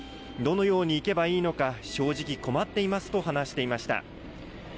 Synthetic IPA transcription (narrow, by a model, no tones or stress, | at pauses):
d̪o̞no̞jo̞ːɲ̟iːke̞baiːno̞kaɕo̞ːʑikʲiko̞mat̪ːe̞imasɨ̥t̪o̞ɦanaɕi̥t̪e̞imaɕi̥t̪a̰